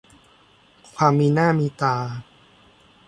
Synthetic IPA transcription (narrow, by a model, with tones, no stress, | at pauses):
kʰwaː˧mːiː˧naː˥˩miː˧t̪aː˧